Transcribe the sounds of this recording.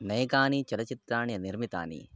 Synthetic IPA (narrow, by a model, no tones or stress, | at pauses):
nɛːɡaːnit͡ʃɐlɐt͡ʃit̪ɾaːniɐniɾmit̪a̰ːnḭ